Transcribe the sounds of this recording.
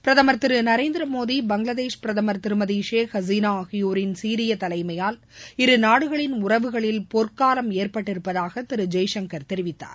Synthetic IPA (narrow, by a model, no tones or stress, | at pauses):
pɪɾɐðɐmɐɾt̪ːɪɾɯnɐɾeːnd̪ɪɾɐmoːðibɐŋɡɭɐðeːʂpɪɾɐðɐmɐɾt̪ɪɾɯmɐðiːʂeːxɐziːnaːɣɪjuːɾɪnsiːɾɪjɐt̪ɐlɐɪmɐjaːl | ɪɾɯnaːɽɯɣɐɭɪnʊrɐʋɯɣɐɭɪlpɔɾkaːlɐmeːrpɐʈːɪɾɯpːɐðaːɣɐt̪ɪɾɯd͡ʒɐjʂɐŋkɐɾt̪ɛɾɪʋɪt̪ːa̰ːɾ